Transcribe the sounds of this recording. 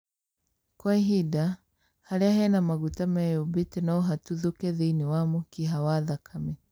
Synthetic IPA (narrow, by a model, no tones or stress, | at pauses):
kwaiɦida | haɾeahɛnamaɣutamɛjobitenaɔɦatuðokɛðiiniwamukiɦawaðakʰamɛ